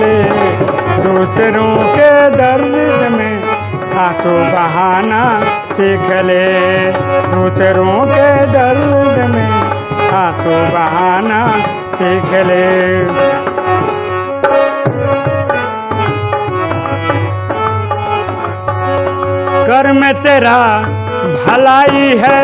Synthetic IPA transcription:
leː | d̪uːsɾõːked̪ɐɾdɪsəmẽ | aːsubɐɦaːna | siːkʰəleː | d̪uːsɾõːked̪ɐɾzəmẽ | aːsubɐɦaːna | siːkʰele | ɡɐɾmet̪eːɾa | bʱɐlaːiɦɛ

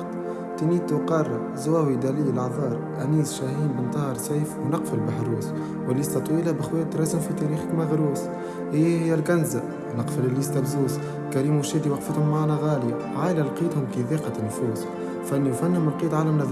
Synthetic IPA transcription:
t̪ | t̪æniːt̪uqɑrˤː | zwæːwid̪æliːlʔʕðˤɑːɾˤʔæniːzʃæhiːnbənt̪ˤɑhɑɾˤsajfwnɑqfəlbaħɾuːs | wɪlːist̪ɑt̪ˤwiːlæbɪxwæːt̪ːɾˤɑzɪmfit̪æɾiːxə̥kmaɣɾuːs | hijːhɪjːælɡænzæ | nɑqfəlɪlːist̪æbzuːs | kæɾiːmːʊʃiːd̪iwɑqfət̪hʊmːaʕaːnæɣaːlja | ʕaːʔɪlælqiːt̪hʊmkiðiːqɑnːfuːs | fænːuwfænːhʊmlqiːt̪ʕalæmnæð

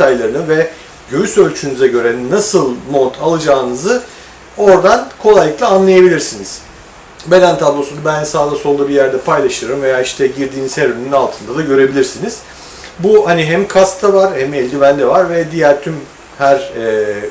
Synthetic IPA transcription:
ajlˠaɾɯnɯvɛ | ɟøjysø̞lʲt͡ʃʰynyzɛɟø̞ɾɛnasɯlˠmo̞t̪ʰalˠɯd͡ʒaːnɯzɯ | o̞ɾd̪ankʰo̞lˠajlːɯklˠaːnlˠajabilʲiɾsiniz̥ | be̞d̪ænt̪ʰablˠo̞sunubænsaːd̪aso̞lˠubijæɾd̪ɛpʰajlˠaʃɯɾɯmve̞jaːiʃt̪ʰɛɟiɾd̪iːnishæɾynynynalˠt̪ʰɯnd̪ad̪aɟø̞ɾe̞bilʲiɾsiniz̥ | buhaniɦæmkʰast̪t̪ʰavaɾhɛmɛlʲd̪ivænd̪ɛvaɾvɛd̪ijæɾt̪ʰym | hæɾɛː

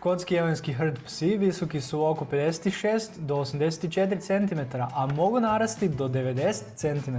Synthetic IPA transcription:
kot̪skijeʋojnskiɦr̩t̪psiʋiso̞kisuokope̞d̪ese̥t̪iʃeːst̪d̪oosamd̪e̞s̬e̥t̪it͡ʃe̞t̪ɾit̪se̞nt̪imet̪aɾaʔamo̞ɡunaɾast̪id̪o̞d̪e̞ʋe̞d̪ese̥tt̪se̞nt̪ime

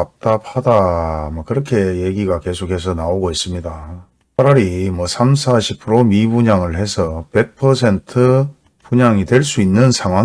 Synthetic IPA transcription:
ap̚t͈ap̚hadamʌkɯɾʌkʰe̞jeɡiɡake̞sʰokɦhe̞sʰʌnaoɡois͈ɯmɲida | aɾaɾimwʌsʰamsʰaɕʰipʰɯɾomibuɲaŋɯɭhe̞sʰʌpe̞k̚pʰʌsʰe̞ntʰɯ | puɲaŋidwe̞ɭs͈uinːɯnsʰaŋɦwa

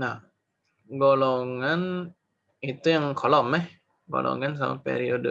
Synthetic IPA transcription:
na | ɡɔlɔŋan | it̪ːujaŋkʰɔlɔpmːa | ɡɔ̰lʔɔ̰ŋans̬ama̰pːḛɾiodɯ

